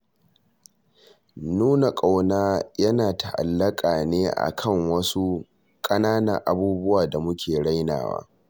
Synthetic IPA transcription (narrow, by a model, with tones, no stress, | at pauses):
nuː˦na˨kʼa˨wnaː˦jɐ˦naː˨ta˨ʔa̰˨lːɐ˦kʼaː˨neː˦ʔa̰˨kʰɐ˦˨ŋwɐ˦su˦ | kʼɐ˦naː˦nɐ˨ŋʔa˨buː˦bʊ˦waː˨da˨mʊ˦kʲʰeː˨ɽa˦jna̰ː˨wa̰ː˦